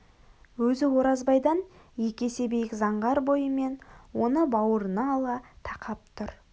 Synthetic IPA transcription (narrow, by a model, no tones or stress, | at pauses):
wɵzɪwo̞ɾɑzbɑjd̪ɑnje̞kʲe̞se̞be̞jɪkzɑɴʁɑɾbo̞jəme̞nwo̞nəbɑwəɾənɑlˠɑt̪ʰɑqɑp̚t̪ʰʊɾ